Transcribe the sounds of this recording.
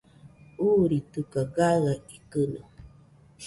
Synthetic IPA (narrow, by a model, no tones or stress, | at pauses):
uɾit̪ɨkaɡaɣaikɨnə̰